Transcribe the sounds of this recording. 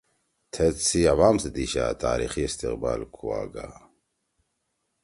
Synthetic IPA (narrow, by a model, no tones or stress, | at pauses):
t̪ʰɛt͡siɐvaːmsəd̪iːɕa̰t̪ʰaːɾḭːxiist̪iqba̰ːlkʰuwa̰ːɡa